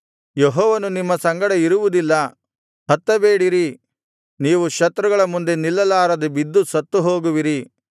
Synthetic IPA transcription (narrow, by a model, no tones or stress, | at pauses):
jeɦɔːʋɐnunimːɐsɐŋɡɐɽɐiɾuʋud̪ilːɐ | hɐt̪ːɐbeːɽiɾi | niːʋuʃɐt̪ɾɐɡɐɭɐmund̪e̞nilːɐlaːɾɐd̪ebid̪ːusɐt̪ːuɦoːɡuʋiɾi